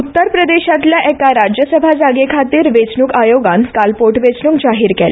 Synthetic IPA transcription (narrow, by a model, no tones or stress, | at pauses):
ut̪ːəɾpɾəd̪eɕat̪laʔɛkaɾad͡ʑjəsəbʱad͡zaɡekʰat̪iːɾʋet͡sɳuːkajoɡankalpoʈʋet͡sɳuːkd͡zaɦiːɾkɛl